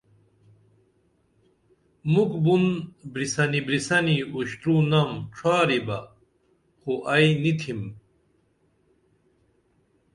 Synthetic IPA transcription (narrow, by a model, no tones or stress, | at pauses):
mukbunbɾisɐnibɾisɐniuɕt̪ɾunamʈ͡ʂʰwaːɾibɐ | xoʔɐjnit̪ʰim